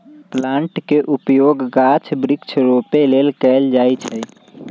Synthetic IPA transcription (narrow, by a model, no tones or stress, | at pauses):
plãːɳʈkeʔupjoɡɡat͡ʃʰbɾɪkt͡ʃʰɾopelelkɛld͡ʒajt͡ʃʰɛ